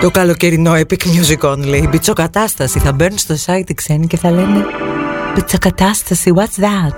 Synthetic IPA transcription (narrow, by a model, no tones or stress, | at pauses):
t̪o̞kɐlo̞ce̞ɾino̞epikmɲosikonleibitt͡so̞kɐt̪ɐst̪ɐsiθɐbeɾnst̪osɐjt̪iksenice̞θɐle̞ne̞b̥it̪t͡sokɐt̪ɐst̪ɐsiwɐt̪sðæt̪̚